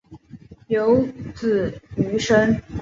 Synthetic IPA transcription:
jo˧˥ʊt͡sɹ̩˥˩y˧˥ʂə˥ŋ

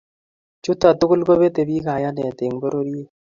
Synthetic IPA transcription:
t͡ʃʊ˦t̪a˨tʊ˦kʊ˦lko˦be˦t̪e˨bi˦ka˨ja˦nɛ˨t̪e˨ŋbo˦ɾo˦ɾi˦e˦

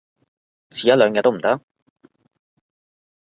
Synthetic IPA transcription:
t͡sʰiː˨jɐ˥lœː˨˧ŋjɐ˧t̪o˥m̩˨˩t̪ɐ˥k̚

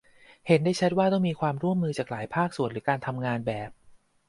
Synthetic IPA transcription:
he˩˦ndaː˥˩jt͡ɕʰa˦˥t̪̚waː˥˩t̪ɔ˥˩ŋmiː˧kʰwaː˧mɾu˥˩əmːɯː˧t͡ɕaː˨˩k̚laː˩˦jpʰaː˥˩k̚su˨˩ənɾɯ˩˦kaː˧nt̪ʰa˧mŋaː˧nbɛː˨˩p̚

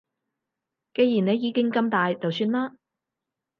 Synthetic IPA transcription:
ke˧jjiː˨˩ne˨˧jiː˨˧kɪ˥ŋkɐ˧mt̪aː˨jt͡sɐ˨wsyː˧nlaː˥

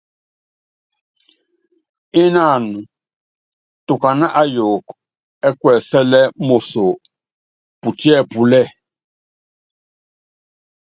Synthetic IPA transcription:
i˦na˦˨nu˨ | tu˨ka˨na˦ʔa˦jo˨k | ɛ˦kwɛ˨sɛ˦lɛ˦mo˨so˨ | pu˨ti˦ɛ˦˨pu˨lɛ˦˨

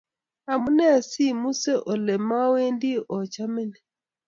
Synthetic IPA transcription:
a˨mu˦nɛ˦˨si˦mu˦sɛ˦ʔɔ˨le˨ma˦we˦ndi˦ʔɔ˨t͡ʃa˦mɛ˦nɛ˨

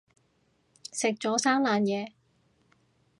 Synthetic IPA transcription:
sɪ˨k̚t͡ʃɔː˨˥saː˥ŋlaː˨˧njɛː˨˧

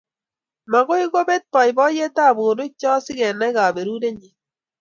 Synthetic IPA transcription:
ma˨ɣo˦i˦ɣo˦be˦t̚pa˨i˨bɔ˦je˦ta˦˨bo˨ɾo˦t͡ʃɔ˦sɪ˦ɣɛ˨na˦ɣa˨be˨ɾu˦ɾe˦ɲi˨

